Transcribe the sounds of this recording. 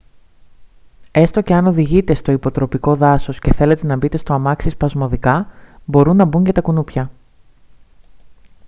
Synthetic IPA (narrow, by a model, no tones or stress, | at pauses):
e̞st̪o̞ce̞ɐnoðiʝit̪e̞st̪o̞ipo̞t̪ɾo̞piko̞ðɐso̞sce̞θe̞le̞t̪e̞nɐbit̪e̞st̪o̞ɐmɐksispɐzmo̞ðikɐbo̞ɾunːɐbuɲɟɐt̪ɐkunupçɐ